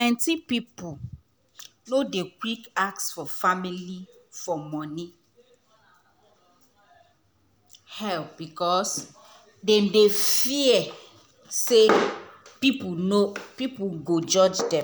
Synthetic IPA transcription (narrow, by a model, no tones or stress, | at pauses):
ɛ̃ntipipu | nodekwikak̚sfɔfamilifɔmɔ̃ni | hɛlp̚bikɔs | dɛ̃mdefiɛ | sepipunopipuɡod͡ʒɔd͡ʒdɛ̃